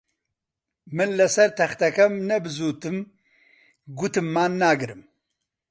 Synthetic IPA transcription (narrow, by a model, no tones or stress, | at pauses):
mɨnlɨsɐɾt̪ʰɐxt̪ɐkɐmnɐbɨzuːt̪ɨm | ɡut̪ɨmːaːnːaːɡɨɾɨm